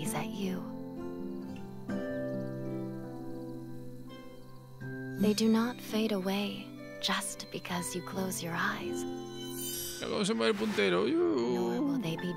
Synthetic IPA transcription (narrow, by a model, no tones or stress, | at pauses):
zɨ̰t͡ʃʉ | ðeɪdɨnətfeɪɾəweɪ | d͡ʒʌstb̥ɨkʰʌzjɨkʰl̥oʊzjə˞aɪz̥ | a̰ɣõ̰s̬emoeɾpũnt̪eɾoju | ðeɪbi